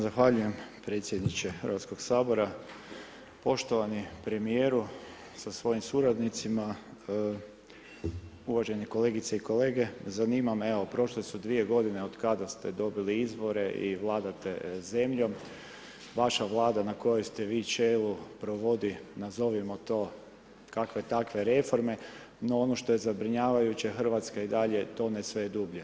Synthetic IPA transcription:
zaxʋaʎuje̞mpɾe̞t̪sjed̪nit͡ʃe̞xəɾʋat̪sko̞ɡsaːbo̞ɾa | po̞ʃt̪o̞ʋanipɾe̞mije̞ːɾu | sasʋo̞jimsuɾad̪nit̪sima | uʋaʒe̞neko̞le̞ːɡit̪seiko̞le̞ːɡe̞zaniːmame̞ʋo̞pɾo̞ʃlesud̪ʋie̞ɡo̞d̪ine̞od̪kad̪ast̪ed̪o̞biliizʋo̞ɾe̞ʔiʋlˠaːd̪at̪e̞ze̞mʎo̞m | ʋaʃaʋlˠaːd̪anako̞jost̪e̞ʋiːt͡ʃelupɾo̞ʋo̞d̪inazo̞ʋimo̞t̪o̞ː | kakʋe̞t̪akʋe̞ɾe̞fo̞ɾme̞ | no̞ono̞ʃt̪o̞je̞zabɾiɲaːʋajut͡ɕe̞xr̩ʋat̪skaid̪aʎe̞t̪o̞ːnesʋejed̪ubʎe

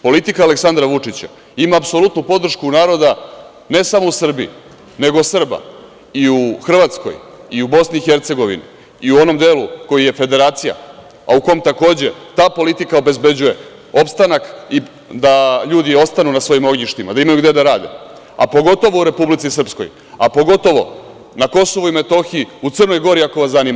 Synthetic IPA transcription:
po̞lit̪ikaːle̞ksand̪ɾaʋut͡ʂit͡ɕa̰ | imaːpso̞lut̪nupo̞d̪r̩ʃkunaːɾo̞d̪a | ne̞samousr̩biḭ | ne̞ɡo̞sr̩ba̰ | iuxr̩ʋat̪sko̞̰jiubo̞sniːxe̞ɾt̪se̞ɡo̞ʋḭnḭ | iuo̞no̞md̪e̞ːluko̞jije̞fe̞d̪e̞ɾaːt̪sija̰ | a̰uko̞mt̪ako̞ːd͡ʑe̞t̪aːpo̞lit̪ikao̞be̞zbe̞d͡ʑuje̞ | o̞pst̪anaki | d̪aʎuːd̪io̞st̪anunasʋo̞jimo̞ɡɲiʃt̪ima̰d̪aimajuɡd̪e̞d̪aɾaːd̪ḛ | a̰po̞ɡo̞t̪o̞ʋo̞uɾe̞publit̪sisr̩psko̰j | apo̞ɡo̞t̪o̞ʋo̞̰ | nako̞so̞ʋuime̞t̪o̞xiiut̪sɨrno̞jɡo̞ɾiako̞ʋaszaniːma

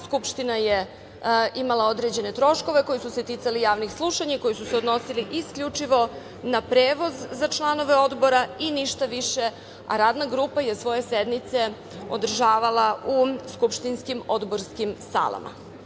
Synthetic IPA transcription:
skupʃt̪inaje | ʔimalˠaod̪ɾed͡ʑe̞net̪ɾo̞ʃko̞ʋe̞ko̞jisuse̞t̪it̪salijaːʋnixslˠuʃaɲaiko̞jisuseo̞d̪no̞siliʔiskʎʲut͡ʂiʋo̞ | napɾeːʋo̞zːat͡ʃlˠano̞ʋeo̞d̪bo̞ɾainiʃt̪aʋiʃe̞ | a̰ɾaːd̪naɡɾupaje̞sʋo̞je̞sed̪mit̪se̞ | o̰d̪r̩ʒaːʋalauskupʃt̪inskimo̞d̪bo̞ɾskimsa̰la̰mʔa̰

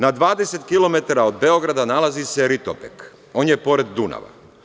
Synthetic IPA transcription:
nad̪ʋaːd̪ese̞t̪kilo̞me̞t̪aɾaod̪̚be̞o̞ɡɾad̪analaziseɾit̪o̰pek | o̞ːnjepo̞ɾe̞d̪ːuna̰ʋa̰

